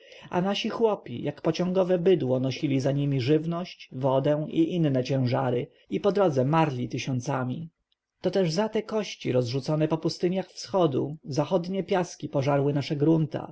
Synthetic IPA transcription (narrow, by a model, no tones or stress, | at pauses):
a̰naɕixwɔpʲḭjʔakpɔt͡ɕɔ̃ŋɡɔvɛbɘd̪wɔnɔɕilʲizaɲimʲiʐɘvnɔɕt͡ɕvɔd̪ɛ̃iʔinːɛt͡ɕɛ̃w̃ʐaɾɘ | ipɔd̪ɾɔd̪zɛmaɾlʲit̪ɘɕɔnt̪samʲi | t̪ɔt̪ɛʐzat̪ɛkɔɕt͡ɕiɾɔzʐut̪sɔnɛpɔpust̪ɘɲjaxfsxɔd̪uzaxɔd̪ɲɛpʲjaskʲipɔʐaɾwɘnaʂɛɡɾunt̪a̰